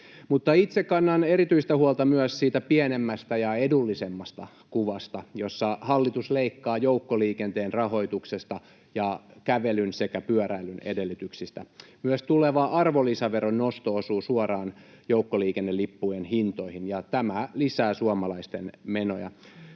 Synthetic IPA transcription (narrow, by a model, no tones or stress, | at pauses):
mut̪ːɑit̪sekːɑnːɑneɾit̪yist̪æhuolt̪ɑmyœssiːt̪æpienemːæst̪æjɑedulːisemːɑst̪ɑ | kuʋɑst̪ɑjosːɑhɑlːit̪usleikːɑːjoukːoliːkent̪eːnrɑho̞it̪uksest̪ɑ | jɑkæʋelynsekæpyœɾæilynḛdelːyt̪yksist̪æmyøst̪uleʋɑʔɑrʋolisɑʋeronnost̪oosuːsuorɑːn | joukːoliːkenːelːipːujenhint̪oihinjɑt̪æmælisæːsuɑmɑlɑist̪enmeno̰jɑ̰